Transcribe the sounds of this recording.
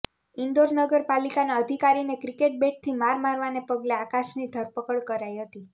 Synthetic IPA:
ind̪oɾnəɡəɾpalikanaəd̪ʱikaɾinekɾikeʈ̚beʈ̚t̪ʰimaɾmaɾʋanepəɡleakaʃnid̪ʱəɾpəkəɭkəɾajɦət̪i

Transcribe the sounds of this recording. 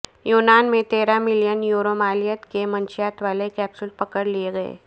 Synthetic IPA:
juːnaːnmẽt̪eːɾamɪlijənjuːɾomaːlijət̪kemɐ̃nt͡ʃɪjaːt̪ʋaːlekɛːpsʊlpɐkəɾlieɡɐḛː

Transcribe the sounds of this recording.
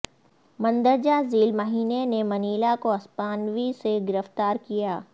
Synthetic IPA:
mɐ̃nd̪əɾd͡ʑaziːlmɐɦiːnenemɐniːlakoɐspaːnʋiseɡɪɾəft̪aːɾkijaː

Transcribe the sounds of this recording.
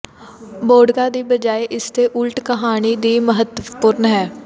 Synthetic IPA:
boːɖkad̪iːbəd͡ʒaːeʔɪst̪eʔʊlʈkəɦaːnid̪iːməɦət̪əpʊːɾnɦɛː

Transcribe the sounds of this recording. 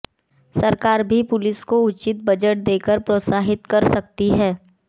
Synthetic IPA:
sɐɾkaːɾbʱipʊlɪskoʊt͡ʃɪt̪̚bɐd͡ʒəʈ̚d̪eːkəɾpɾoːt̪saːɦɪt̪kɐɾsɐk̚t̪iɦɛː

